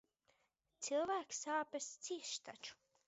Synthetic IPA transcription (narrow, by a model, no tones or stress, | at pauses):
t̪silˠvæːksaːpʲɨst̪siɛʃt̪at͡ʃu̥